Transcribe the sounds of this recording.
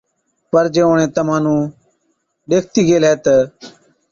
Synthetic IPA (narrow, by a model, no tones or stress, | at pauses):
pəɾd͡ʒeːoːɳẽːt̪əmãːnũː | ɗeːk̚ʰt̪iːɡeːleːt̪ə